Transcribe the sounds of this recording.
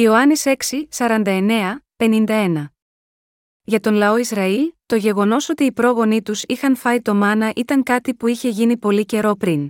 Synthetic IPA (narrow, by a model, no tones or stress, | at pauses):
io̞ɐnise̞ksisɐɾɐnd̪ɐe̞ne̞ɐpe̞nind̪ɐe̞nɐ | ʝɐt̪o̞nlɐo̞izɾɐilt̪o̞ʝe̞ɣo̞no̞so̞t̪iːpɾo̞ɣo̞nit̪usixɐnfɐit̪o̞mɐnɐʔit̪ɐŋkɐt̪ipuiçe̞ʝinipo̞lice̞ɾo̞pɾin